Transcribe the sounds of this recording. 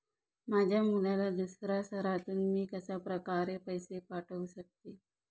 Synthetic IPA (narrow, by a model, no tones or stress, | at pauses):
mad͡ʑʱjamulalad̪usɾasəɾat̪uːnmiːkəsapɾəkaɾepəjsepaʈʰəʋuɕək̚t̪eː